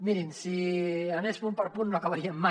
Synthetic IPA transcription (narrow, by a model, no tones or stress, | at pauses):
miɾinsianespumpɐɾpunnːoakaβaɾiemːa